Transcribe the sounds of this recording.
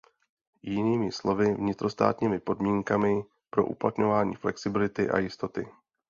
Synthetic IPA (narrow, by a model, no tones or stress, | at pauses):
jɪniːmɪslo̞vɪvɲɪt̪ɾo̞st̪a̰ːt̪ɲiːmɪpo̞dmiːŋkamɪ | pɾo̞̰ʔṵplat̪ɲo̞vaːɲḭːflɛksɪbɪlɪt̪ɪʔa̰jɪst̪o̞t̪ɪ